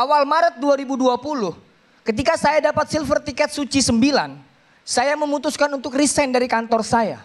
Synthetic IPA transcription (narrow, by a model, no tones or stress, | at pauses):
ʔawalmaɾət̪̚duaɾibuduapulʊh | kət̪ikasajadapat̪̚silfərt̪ikɛt̪̚sut͡ʃisəmbila̰n | sajaməmut̪uskanunt̪ʊkrisɛndaɾikant̪ɔrsaja̰